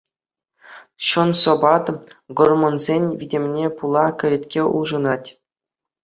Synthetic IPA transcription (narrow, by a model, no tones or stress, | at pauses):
ɕɤ̆nsŏbɑt̪ɡormŏnzʲenʲʋʲidʲemʲnʲepulˠɑkʲɘ̆ɾʲet̪ʲkʲeʔuʐɤ̆nɑtʲ